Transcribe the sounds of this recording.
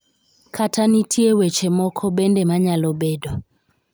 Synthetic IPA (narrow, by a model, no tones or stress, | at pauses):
kʰatʰanitʰiewɛt͡ʃɛmɔkʰɔɓɛndɛmaɲalɔbɛdɔ